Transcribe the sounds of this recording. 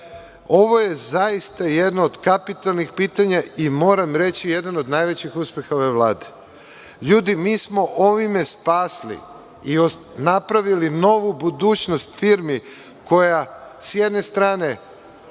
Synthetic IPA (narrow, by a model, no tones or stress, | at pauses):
o̞ʋo̞je̞zajist̪ajed̪nood̪kapit̪alˠnixpiːt̪aɲaimo̞ːɾamɾe̞t͡ɕije̞d̪anod̪najʋet͡ɕixuspʲjexao̞ʋeʋlˠaːd̪e̥ | ʎuːd̪imiːsmo̞ʔo̞ʋime̞spaːslḭ | io | napɾaʋilino̞ʋubud̪uːt͡ʃnost̪fiːɾmi | ko̞jasje̞d̪ne̞st̪ɾaːne̞